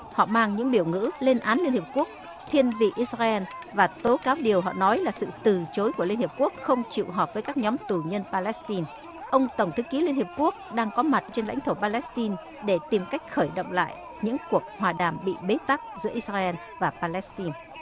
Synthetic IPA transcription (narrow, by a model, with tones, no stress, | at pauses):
hɔ̰˧˨maː˧ŋɲɨ̰˧˥ŋɓi˧˩əwŋɨ̰˧˥le˧nʔaː˨˦nli˧nhi˨˩p̚ku˦˥ək̚ | t̪ʰi˧ənvḭ˧˨ʔi˧˦˥sraː˧ʔɛ˧n | vaː˨˩t̪o˨˦kaː˨˦wɗi˨˩əwɦɔ̰˧˨nɔ˨˦jlaː˨˩sɨ̰˧˨t̪ɨ˨˩t͡ɕo˨˦jku˧˩əli˧ənhi˨˩p̚ku˦˥ək̚xə˧wŋ͡mt͡ɕḭ˧˨wɦɔ˨˩p̚vəː˨˦jkaː˦˥k̚ɲɔ˨˦mt̪u˨˩ɲə˧npaː˧lɛ˦˥st̪i˧n | ʔə˧wŋ͡mt̪ə˧˩ŋ͡mt̪ʰɨ˨˦ki˨˦li˧ənhi˨˩əp̚ku˦˥ək̚ɗaː˧ŋkɔ˨˦ma˨˩t̚t͡ɕe˧nla̰˧˥ŋt̪ʰo˧˩paː˧lɛ˦˥st̪i˧n | ɗe˧˩t̪i˨˩mka˦˥jk̟̚xəː˧˩jɗə̰˧˨wŋ͡mla̰ː˧˨j | ɲɨ̰˧˥ŋku˨˩ək̚hwaː˨˩ɗaː˨˩mɓḭ˧˨ɓe˨˦t̪a˦˥k̚zɨ̰˧˥əʔi˧˥saː˧ʔɛ˧n | vaː˨˩paː˧lɛ˦˥st̪i˧n